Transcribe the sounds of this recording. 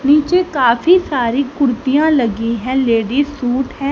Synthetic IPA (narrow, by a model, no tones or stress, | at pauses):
niːt͡ʃeːkaːfʰiːsaːɾiːkʊɾt̪ijãːləɡĩːɦɛ̃ːleːɖiːsuːʈɦɛ̃ː